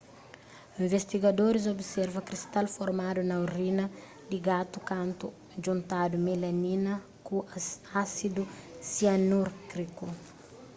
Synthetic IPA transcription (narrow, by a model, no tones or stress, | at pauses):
ĩvest̪iɡɐd̪oɾiz̬obsɛɾvɐkɾist̪alfoɾmad̪unɐwɾinɐ | d̪iɡat̪ukãnt̪u | d͡ʒũnt̪ad̪umelɐninɐ | kuaasid̪usianuɾkɾiku